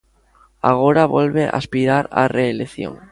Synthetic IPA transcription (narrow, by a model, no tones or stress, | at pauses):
aɣ̞oɾaβolβeʔa̰spiɾaɾa̰reːleθjo̰ŋ